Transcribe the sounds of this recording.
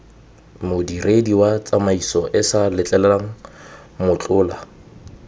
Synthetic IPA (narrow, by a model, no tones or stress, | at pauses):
mʊdirediwat͡sʼamaisɔʔɪsalɪt͡ɬʼɛlɛlaŋ̩ | mʊt͡ɬʼʊːla